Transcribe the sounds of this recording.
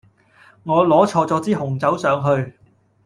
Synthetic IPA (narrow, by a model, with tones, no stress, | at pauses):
ŋɔː˨˧lɔː˨˥t͡ʃʰɔː˧t͡sɔː˨˧t͡siː˥hʊ˨˩ŋt͡sɐ˨˥wsœː˨˧ŋɦɵ˧ɥ